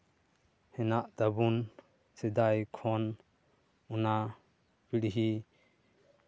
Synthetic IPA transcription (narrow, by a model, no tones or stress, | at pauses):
hɛnaʔd̪̥abun | sed̪ajkʰɔn | una | biɽɦi